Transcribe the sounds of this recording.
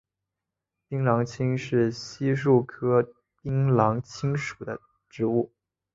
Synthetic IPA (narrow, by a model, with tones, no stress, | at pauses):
pi˥ŋlɑ˧˥ŋt͡ɕʰi˥ŋʂɻ̩˥˩ɕi˥ʂu˥˩kʰɤ˥ | pi˥ŋlɑ˧˥ŋt͡ɕʰi˥ŋʂu̥˨˩d̪ə̰˦ | ʈ͡ʂɻ̩˧˥u˥˩